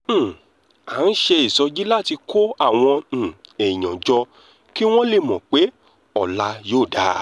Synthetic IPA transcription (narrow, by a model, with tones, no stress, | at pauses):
a˨˦n̩˦ʃe˧i˨sɔ˧d͡ʒi˦la˦˨ti˧kʰo˦a˦˨w̃ɔ̃˧˨ɛ˨i˨j̃ɔ̃˨d͡ʒɔ˧ | ki˦w̃ɔ̃˦le˧˨mɔ̃˨k͡pe˨˦ | ɔ˦˨la˧joː˦˨da˨˦